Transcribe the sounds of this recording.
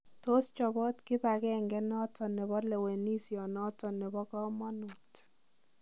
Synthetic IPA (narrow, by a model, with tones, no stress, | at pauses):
to˦st͡ʃɔ˨bɔ˦tkɪ˦pa˨kɛ˦ŋɡɛ˦nɔ˦tɔ˨ne˨βɔ˦le˨we˨ni˦sjɔ˨nɔ˦tɔ˨nɛ˨bɔ˦kɔ˦mɔ˦nu˨t